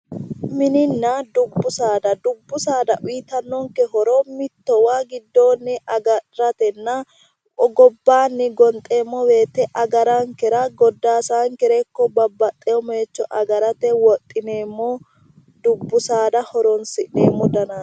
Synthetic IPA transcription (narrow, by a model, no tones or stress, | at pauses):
mɪnɪnːɐd̪ʊbːʊsaːd̪ɐd̪ʊbːʊsaːd̪ɐʔiːt̪ɐnːɔŋkɛɦɔɾɔmɪt̪ːɔwaːɡɪd̪ːoːnːɛʔɐɡɐɾɐt̪ɛnːɐ | ɔɡɔbːaːnːɛɡɔnt̪ʼe̞ːmːɔwe̞ːt̪ːɛʔɐɡɐɾɐŋkɛɾɐɡɔd̪ːaːsaːŋkɛɾɛkːɔbɐbːɐt̪ʼːɛjɔmeːt͡ʃːɔʔɐɡɐɾɐt̪ɛwɔt̪ʼːɪneːmːɔ | d̪ʊbːʊsaːd̪ɐhɔɾɔnsɪᶑeːmːɔd̪ɐnaː